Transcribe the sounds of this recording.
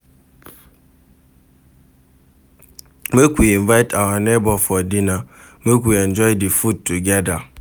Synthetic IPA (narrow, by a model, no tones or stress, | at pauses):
mekʷiiɱvaɪtʰawanebɔfɔdina | mekʷiɛnd͡ʒɔjdifud̚tuɡɛda